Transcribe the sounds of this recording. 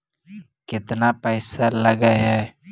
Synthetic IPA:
kɪt̪napəɪsaləɡəɦɛ

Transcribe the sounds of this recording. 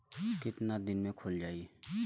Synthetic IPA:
kɪt̪nad̪ɪnmẽkʰoːld͡ʒaːi

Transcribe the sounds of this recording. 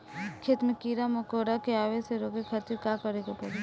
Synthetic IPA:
kʰɪt̪mekiːɾamokoːɾakeaːʋeseɾoːkekʰat̪iɾkaːkəɾeɡapɐɾe

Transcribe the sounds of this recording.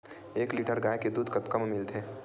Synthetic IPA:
eːkliːʈəɾɡaːeked̪uːd̪ʱkɐt̪kɐmmɪlt̪ʰeː

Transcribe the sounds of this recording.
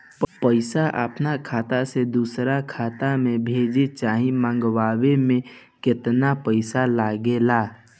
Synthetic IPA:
ppəɪsaʔa̰pnakʰaːt̪ased̪uːsɾakʰaːt̪amẽbʱeːd͡ʒet͡ʃaːɦĩmãːŋɡwaːwemẽ | kɪt̪napəɪsalaːɡelaː

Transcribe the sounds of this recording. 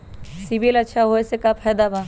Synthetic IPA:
sibilɐtːʃʰaɦoesekapʰɛːd̪aba

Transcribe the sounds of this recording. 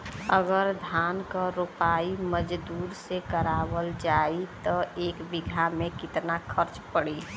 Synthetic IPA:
əɡəɾd̪ʱaːnkaɾopaːiməd͡ʒd̪uːɾsekəɾaːbəld͡ʒait̪ɔeːkbɪɡʱamẽkɪt̪nakʰəɾt͡ʃpəɽi

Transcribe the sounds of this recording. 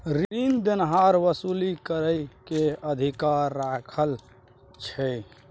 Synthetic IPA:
ɾind̪enɦaɾʋəsulikəɾəjkeəd̪ʱikaɾːakʰəl | t͡ʃʰɛ

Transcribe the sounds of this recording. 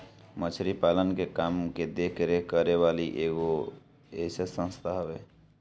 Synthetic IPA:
mət͡ʃʰɾipalənkekamked̪ekʰɾekəɾeβaliʔeɡo | esesə̃nst̪ʰaɦəbe

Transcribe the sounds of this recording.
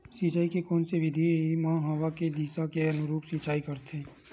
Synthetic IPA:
siːt͡ʃaːikekɔːnseʋɪd̪ʱimãːɦɐʋaked̪iːsakeɐnʊɾuːpsiːt͡ʃaːikɐɾt̪ʰẽː

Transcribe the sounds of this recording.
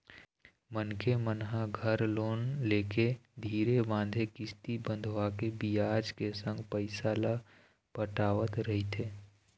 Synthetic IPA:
mənkemənɦaɡʱəɾloːnleːked̪ʱiːɾebãːnd̪ʱekɪst̪ibə̃nd̪ʱʋakebijaːd͡ʒkesə̃ŋɡpəɪsala | pəʈaːʋət̪ɾəɦit̪ʰeː

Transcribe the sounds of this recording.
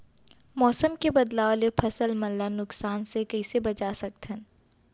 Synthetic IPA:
mɔːsəmkebɐd̪laːlepʰɐsəlmɐlːanʊksaːnsekɐɪsebɐt͡ʃaːsɐk̚t̪ʰən

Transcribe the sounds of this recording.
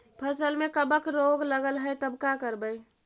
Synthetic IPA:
pʰəsəlmekəbəkɾoɡləɡəlɦəjt̪əbkakəɾbəj

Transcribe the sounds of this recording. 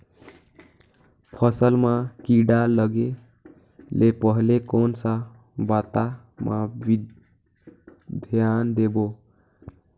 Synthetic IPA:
pʰəsəlmãkiɖaləɡe | lʔepəɦlekonsa | bat̪a | mabi | d̪ʱjand̪ebo

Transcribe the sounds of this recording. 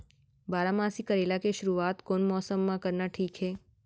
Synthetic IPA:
baːɾamaːsikəɾelakeʃʊɾuaːt̪koːnmɔːsəmːãkəɾnaʈʰiːkɦeː

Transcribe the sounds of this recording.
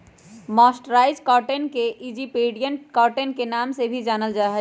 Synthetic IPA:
maːsʈɾaːɪd͡ʒkaːɾʈenkeʔid͡ʒipeːɖijənʈkaːɾʈenkenaːmsebʱid͡ʒaːnəld͡ʒaːɦɛ

